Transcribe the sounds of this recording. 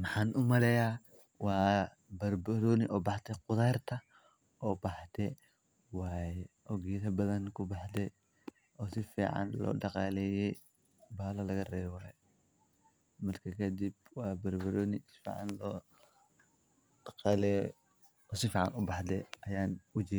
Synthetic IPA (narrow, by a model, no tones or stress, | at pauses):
mɑħɑːnʔʊmɐlɛjaː | wɑː | bɐrbɐɾɔːnɪʔɔːbɑħt̪ʰɛqʊðaːrt̪ʰɐ | ʔɔːbɑħt̪ʰɛ | wɑːjɛʔɔːɡiːðɐbɐðɐnkʰʊbɑħd̪ɛ | ʔɔːsɪfḭːʕɑ̰nlɔ̰ːɖɑqɑːlɛːjɛj | baːlɐlɐɣɐrɛːβɛwɑːjɛ | mɐrkʰɐkʰɐd̪ibwɑːbɐrbɐɾɔːnɪsɪ̥fḭːʕɑ̰nlɔː | ɖ̥ɑqɑːlɛj | ɔsɪfiːʕɑ̰nʊbɑħd̪ɛɐjaːnʊd͡ʒɪ